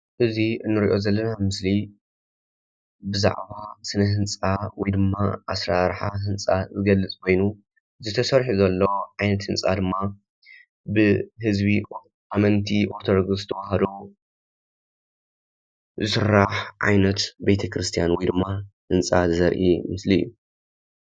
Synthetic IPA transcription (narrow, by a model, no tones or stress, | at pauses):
ʔɨziɨnːɨɾiʔo̞zɐlːɐnamɨsli | bɨza̰ʕβasɨnɐɦɨnt͡sʼawɔjd̪ɨmːaʔasɾaɾħahɨnt͡sʼazɨɡɐlːɨt͡sʼkʰo̞jnu | zɨt̪ʰɐsɐɾħuzɐlːoʕajnɐt̪hɨnt͡sʼad̪ɨmːa | bɨɦɨzbi | ʔamɐnt̪ʰiʔo̞ɾt̪ʰod̪oɡɨzɨt̪ʰɐwahɐd̪o | zɨsɨrːaħʕa̰jnɐt̪bet̪ʰɐkɾɨst̪ʰijanwɔjd̪ɨmːahɨnt͡sʼazɨzɐɾʔimɨslijːu